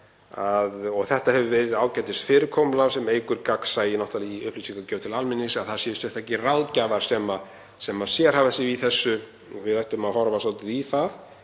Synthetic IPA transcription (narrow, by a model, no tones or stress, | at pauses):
aðɔɣθɛht̪ahɛvʏvɛːɾɪðaːwcajt̪ɪst̪fɪːɾɪkʰɔːmlawsɛmeːjkʏɾkaksaːjɪnɔht̪aliʏhplisiŋkacœːwt̪ʰɪlalmɪnːɪsaðθaðsɛðʏst̪œht̪ʰahcɪraːwðcavaɾ̥sɛma | sɛmːaðsjɛɾ̥haːvasɪviθɛsːʏ | vɪðajht̪ʏmaðɦɔɾvasɔlt̪ɪðiθað